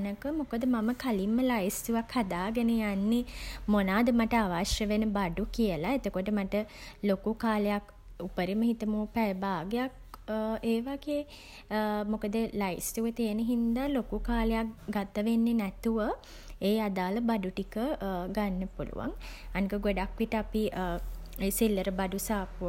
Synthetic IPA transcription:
nəkəmokəd̪əmaməkalimːəlajist̪uʋakʰhad̪aːɡenəjanːemonaːd̪əmaʈəaʋaʃjəʋenəbaɖukiəlaet̪okoʈəmaʈəlokukaːlejak | upəɾiməɦit̪əmoːpæəbaːɡejak̚ | eːʋaɡeː | mokəd̪əlajstuʋət̪iːnəɦind̪alokukaːlejakɡat̪əʋenːenɛt̪uʋə | eːad̪aːləbaɖuʈikəɡanːəpulṵʋa̰ŋanikəɡoɖakʋiʈəapi | esilːəɾəbaɖusaːpu

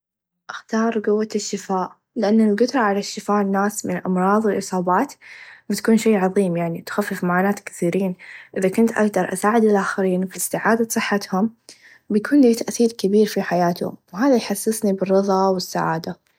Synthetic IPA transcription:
ʔaxt̪ɑːɾˤɡʊwːaʃːɪfaːʔ | lɪʔanːalɡʊd̪ɾˤɑʕalaʃːɪfaːʔnːaːsmɪnɪlʔɑ̰mɾˤɑːðˤwɪlʔɨsˤɑːbɑːt̪bɪt̪kuːnʃeːʕɑðˤiːmjaʕnit̪xafːɪfmaʕaːnaːt̪kɪ̥θiːɾiːnʔɪðakʊnt̪ʔaɡd̪ɑɾˤʔa̰saːʕɪd̪ɪlʔaːxɪɾiːnfiɪst̪ɪʕaːd̪asˤɨħːat̪hʊm | bɪjkʰuːnliːt̪aʔθiːɾkabiːɾfiħajaːt̪ʊ̰mwɦaːðajħasːɪsnibɪrˤːɨðˤɑwɪsːaʕa̰ːd̪a

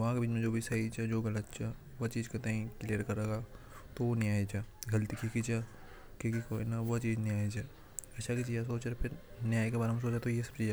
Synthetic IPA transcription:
ʋɐɦãkebiːt͡ʃmẽd͡ʒoːbʱisɐit͡ʃʰɛd͡ʒoːɡɐlət̪̚t͡ʃʰaʋɐt͡ʃiːd͡ʒkɐt̪aːĩklijəɾkɐɾeːɡat̪oʋonjaːit͡ʃʰaːɡɐlt̪ikʰikit͡ʃa | kekikoːinaʋɐt͡ʃiːd͡ʒnjaːit͡ʃʰaː | ɐtːʃʰakit͡ʃiːas̬oːt͡ʃeɾpʰɪɾnjaːikebaːɾɦɐms̬oːt͡ʃet̪ojesɐ̥b̚t͡ʃiːd͡ʒ

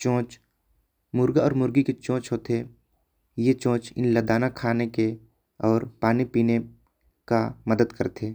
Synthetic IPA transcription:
t͡ʃõːt͡ʃ | mʊɾɡaɔːɾmʊɾɡiket͡ʃɔ̃ːt͡ʃɦoːt̪ʰe | jet͡ʃõːt͡ʃɪ̰nləd̪aːnakʰaːneke | ɔːɾpaːnipiːne | kaməd̪əd̪kəɾt̪ʰeː

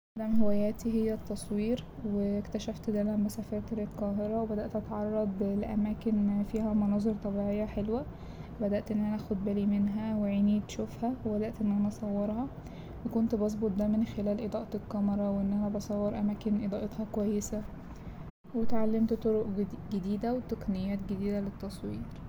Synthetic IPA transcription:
ʔad̪æmhewæjæːt̪iɦejːæt̪ːɑsˤwiːɾwekt̪æʃæft̪d̪ælæmbæsæfɑɾˤt̪ɾet̪qɑːɦeɾˤɑwebæd̪æʔt̪ʔæt̪ʕɑrˤːɑd̪ˤlʔæ̰mæːkenfiːhæmɑnɑːzˤeɾt̪ˤɑbiʕejːæħelwæ | bæd̪æʔt̪ʔenːʔænæʔæxod̪̚bælimenɦæweʕiːniːt̪ʃofhæwebæd̪æʔt̪ʔenːʔænæʔɑsˤɑwːɑɾˤhɑ | wekont̪bɑs̬ˤbot̪̚ˤd̪æmenxelæːlʔed̪ˤɑːʔɑt̪elkːɑmɑɾˤɑweʔenːʔænæbɑsˤɑwːɑɾˤʔæmæːkenʔed̪ˤɑːʔet̪hɑkowæjːesæ | wet̪ʕalːemt̪t̪ˤoɾoʔɡed̪iːd̪æwet̪æqnejːæːt̪ɡed̪iːd̪ælet̪ːɑsˤwiːɾ

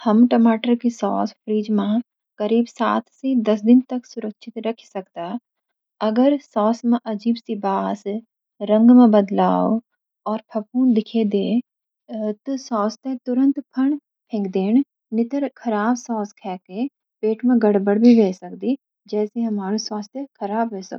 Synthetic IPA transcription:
hɐmʈəmaːʈəɾkisɔːspʰɾiːd͡ʒmã | kɐɾiːbsaːt̪ʰsid̪ɐsd̪ɪnt̪ɐksʊɾəkʃʰɪt̪ɾɐkʰsɐkt̪a | ɐɡəɾsɔːsmẽʔɐd͡ʒiːbsibaːs | ɾə̃ŋɡmẽbɐd̪laːo | ɔːɾpʰɐpuːnd̪ɪkʰed̪e | t̪sɔːst̪et̪ʊɾə̃nt̪pʰɐɳ | pʰẽːŋɡd̪eːn | nɪt̪əɾkʰɐɾaːbsɔːskʰɛːke | peːʈʰmẽɡɐɽbəɽbʱiʋeːsɐkd̪i | d͡ʒɛːseɦɐmaːɾuswaːst̪ekʰɐɾaːbɦosɐ̰k

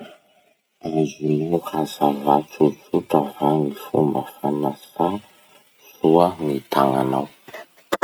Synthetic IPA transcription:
azinuhazavat͡sut͡suʈ͡ʂavaŋifumə̰fanasa | suənit̪aŋa̰naw

